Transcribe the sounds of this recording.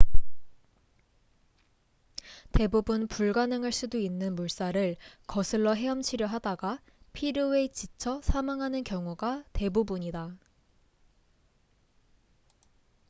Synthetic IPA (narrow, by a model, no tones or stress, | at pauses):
te̞bubunpuɭɡanɯŋɯɭs͈udoinːɯnmuɭs͈aɾɯɭkʌsʰɯɭːʌɦe̞ʌmt͡ɕʰiɾjʌɦadaɡa | pʰiɾjoe̞t͡ɕit͡ɕʰʌsʰamaŋɦanɯnkjʌŋuɡate̞bubuɲida